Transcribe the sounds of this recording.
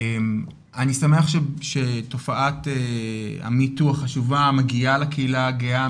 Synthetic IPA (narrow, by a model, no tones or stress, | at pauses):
em | anisameaχʃeʃeto̞faʔatea̰mituaχaʃuvamaɡialakeilaɡea